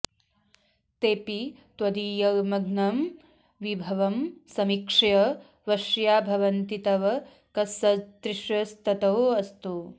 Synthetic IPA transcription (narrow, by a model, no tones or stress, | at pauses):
t̪eːpit̪wɐd̪iːjɐmɐɡnɐm | ʋibʱɐʋɐmsɐmikʂɐjɐ | ʋɐʃjaːbʱɐʋɐnt̪it̪ɐʋɐ | kɐsɐt̪ɾiʃjɐst̪ɐt̪ɐwɐst̪u